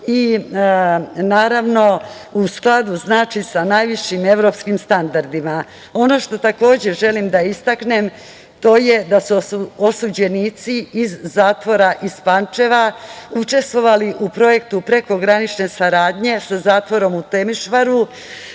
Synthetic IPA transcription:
i | naːɾaʋno̞ | usklˠad̪uznaːt͡ʃisanajʋiʃime̞ʋɾo̞pskimst̪and̪aɾd̪ima | o̞no̞ʃt̪o̞t̪ako̞ːd͡ʑe̞ʒe̞limd̪aist̪akne̞m | t̪o̞ːje̞d̪asuuosud͡ʑe̞niːt̪siizːaːt̪ʋo̞ɾaʔispant͡ʃe̞ʋaut͡ʃe̞st̪ʋo̞ʋaliʔupɾo̞je̞k̚t̪upɾe̞ko̞ɡɾanit͡ʃne̞saɾaːd̪ɲe̞sazaːt̪ʋo̞ɾo̞mut̪e̞miʃʋaɾu

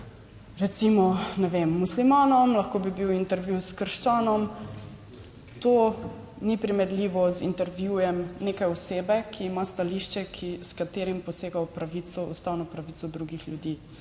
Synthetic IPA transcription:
ɾɛt̪simɔnɛʋemːuslimaːnɔmlɐxkoːbibiwint̪ɛɾʋjuwskəɾʃt͡ʃaːnɔm | t̪oː | nipɾimɛɾliːʋɔzḭnt̪ɛɾʋjujɛmneːkajɔseːbɛkʰiːmast̪aliʃt͡ʃɛkʰiskat̪eːɾimpɔseːɡawpɾaʋisɔust̪aːwnɔpɾaʋit̪sɔd̪ɾuɡixljud̪iː

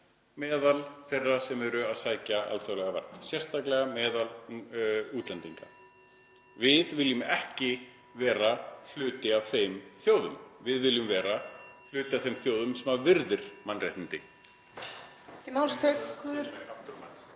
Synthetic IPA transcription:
mɛːðalθɛrːasɛmɛɾʏaðsaːjcaʔa̰lθaɣlɛɣava̰r̥t̪nsjɛr̥st̪aklɛɣamɛːðal | uːt̪lɛnt̪iŋka̰ | vɪðvɪljʏmɛhcɪ | vɛːɾal̥ʏːt̪ɪav̥θejmθjoːwðʏmvɪðvɪljʏmvɛːɾal̥ʏːt̪ɪavθejmθjoːwðʏmsɛmaɾvɪɾðɪɾ̥manːrejht̪ɪnt̪ɪ | ɪmawlst̪ʰeːkkʰʏðɾaft̪ʏɾma

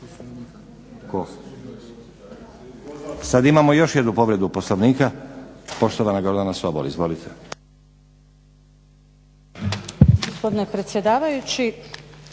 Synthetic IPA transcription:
ko | sad̪imamo̞jo̞ʃjed̪nupo̞ʋɾe̞d̪uposloʋniːkapo̞ʃt̪oʋanaɡo̞ɾd̪anasʋabolḭzʋo̞lit̪ʰe | ɡospo̞d̪inepɾet̪sjed̪aːʋajut͡ɕi

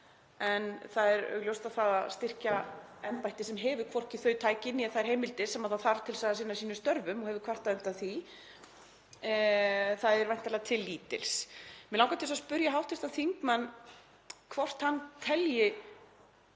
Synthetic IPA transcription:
ɛnθaðɛɾœ̰ɣljowst̪aðθaðast̪ɪr̥caɛnpajht̪ɪsɛmɦɛːvʏkʰvɔr̥cɪθœɥt̪ʰaːjcɪnːiɛθaðɛɾ̥hejmɪlt̪ɪsɛmaðθaðθaɾt̪ʰɪlsaðasɪnːasiːnʏst̪œɾvʏmɔɣhɛvʏkʰvar̥t̪aðʏnt̪aθi | θaðɛɾvajn̥t̪aɾlɛɣat̪ʰɪlːiːt̪ɪ̰lsmɛlawŋkat̪ɪlsaspʏɾjaɦawht̪ɪst̪aθiŋkmanː | kʰvɔr̥t̪hanːt̪ʰɛljɪ

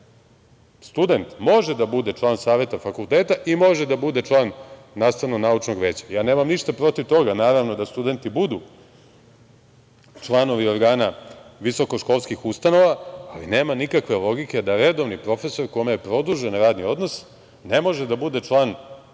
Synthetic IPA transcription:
st̪ud̪e̞nt̪mo̞ʒed̪abud̪e̞t͡ʃlˠaːnsaːʋe̞t̪afakulˠt̪eːt̪aʔimo̞ʒed̪abud̪e̞t͡ʃlˠaːnː | aːst̪aʋnonaut͡ʃno̞ɡʋeːt͡ɕḁjaːne̞ːmamniʃt̪apɾo̞t̪iʋt̪o̞ɡanaːɾaʋno̞d̪ast̪ud̪e̞nt̪ibud̪u | t͡ʂlˠano̞ʋio̞ɾɡaːnaʋiso̞koʃko̞lˠskixust̪ano̞ʋaaline̞ːmanikakʋe̞lo̞ɡike̞d̪aɾed̪o̞ʋnipɾo̞feso̞ɾko̞jimejepɾo̞d̪uʒenɾaːd̪nio̞d̪no̞s | nemo̞ʒɛd̪abud̪e̞t͡ʃlˠaːn

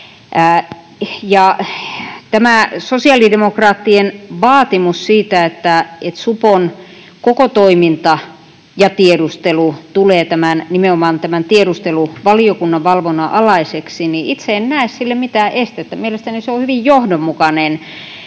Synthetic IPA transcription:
ʔæ | jɑ | t̪æmæsosiɑlidemokrɑːt̪ːienʋɑːt̪imussiːt̪æet̪ːæet̪supon | kokot̪oimint̪ɑ | jɑt̪iedust̪elut̪uleːt̪æmænnimeomɑːnt̪æmænt̪ieɾust̪eluʋɑliokunːɑʋʋɑlʋonɑʔɑlɑiseksiniʔit̪seennæˑessilːemmit̪æːʔest̪et̪ːæmielest̪æniseohyʋijjohdommukɑnen

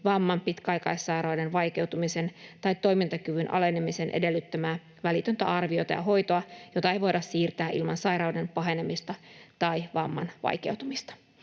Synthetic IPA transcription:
ʋɑmːɑmpit̪kæɑjkɑisːɑjɾɑwdenʋɑjke̞wt̪umisent̪ɑit̪ːo̞imint̪ɑkyʋynʔɑ̰le̞nemisenʔḛde̞lːyt̪ːæmæː | ʋælit̪ønt̪æ̰ɑrʋiot̪ɑ̰jɑ̰ɦo̞jt̪oɑjo̞t̪ɑejʋo̞jdɑssiːrt̪æːʔḭlmɑnsɑjɾɑude̞mpɑɦe̞nemist̪ɑt̪ɑiʋɑmːɑ̰nʋɑ̰jkewt̪umist̪ɑ̥

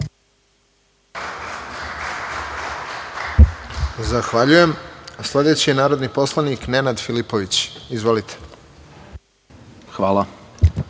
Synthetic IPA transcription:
zaxʋaʎuje̞mslˠe̞d̪e̞t͡ɕienaːɾo̞d̪nipo̞slˠanikne̞nad̪filipoʋit͡ɕizʋo̞lit̪ʰe̥ | xʋaːlˠa

